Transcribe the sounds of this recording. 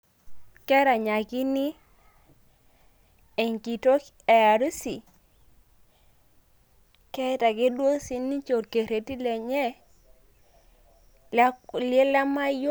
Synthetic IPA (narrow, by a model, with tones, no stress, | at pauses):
kɛ˦ɾa˨ɲa˨ɡi˦ni˦ | e˨ŋki˨to˦k | ɛ˨ja˨ɾu˦si˨ | kɛ˦ta˨ɡe˦dwo˦si˨ni˦t͡ʃo˨ɾke˨ɾe˨ti˦lɛ˨ɲɛ˦ | lɪe˦la˦ma˦j